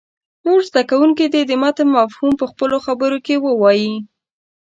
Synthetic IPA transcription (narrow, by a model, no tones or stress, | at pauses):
noɾzd̪akawuŋked̪ed̪əmat̪mːafhumpəxpəloxabəɾokewəwɑji